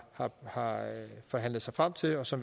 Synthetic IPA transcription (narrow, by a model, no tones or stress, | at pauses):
hɑ̈hɑ̈fɒ̽ɦæn̰lð̩ˠsɑ̈ɪfʁam̰t͡sʰe̝lɒ̽sɒ̽m